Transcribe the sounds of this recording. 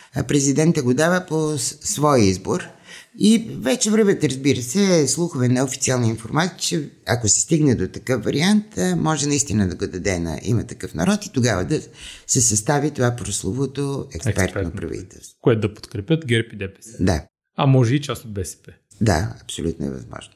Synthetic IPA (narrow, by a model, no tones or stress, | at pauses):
pɾɛzid̪ɛnt̪əɡod̪avəposvɔjizboɾivɛt͡ʃɛvɾəvɛt̪əɾəzbiɾəsɛslˠuxʊvɛnɐofi̥t̪ialˠnəinfoɾmat̪it͡ʃɛɐkosɛ̥st̪iɡnɛd̪ot̪ɐkɤfvɐɾiant̪mɔʒɛnɐist̪inəd̪ɐɡod̪ɐd̪ɛnɐ̰ʔḭmət̪ɐkɤfnɐ̰ɾɔt̪i̥t̪oɡavə̰d̪ɐsɛsɐst̪avit̪ovapɾoslˠovot̪oɛkspɛɾt̪nopɾɐ̰vḭt̪ɛ̰lˠst̪koɛt̪od̪ɐpo̥t̪kɾɛpʲət̪ɡʲɛɾpid̪ɛpɛ̥sd̪a̰ | ɐmɔʒɛit͡ʃast̪ot̪̚bɛsɛ̥pɛ | d̪a̰ɐpsolʲṵt̪no̰ɛ̰vɐ̰zmɔ̰ʒno